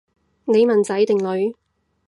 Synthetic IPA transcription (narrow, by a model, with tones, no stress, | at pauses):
ne˨˧jmɐ˨nt͡sɐ˨˥jt̪ɪ˨ŋlɵ˨˧ɥ